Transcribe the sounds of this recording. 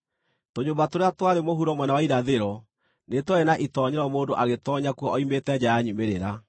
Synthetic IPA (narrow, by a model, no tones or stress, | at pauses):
toɲoːmbatoɾeatwaɾemoɦuɾɔmwɛnawaiɾaðeɾɔ | netwɔenaʔitɔɲeɾɔmoːndoʔaɣetɔɲakuɔɔimetɛd͡ʑajaɲumeɾeɾa